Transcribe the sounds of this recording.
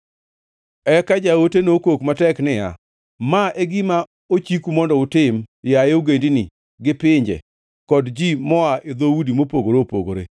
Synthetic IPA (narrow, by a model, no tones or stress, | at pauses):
ɛkad͡ʒaotenokokmatɛknɪja̰ | maʔeɡɪma | ot͡ʃikumɔndɔʊtɪmjaeoɡendinɪ | ɡɪpɪɲd͡ʒɛ̰ | kɔdd͡ʒimɔaʔed̪owudimopoɡoɾopo̰ɡo̰ɾe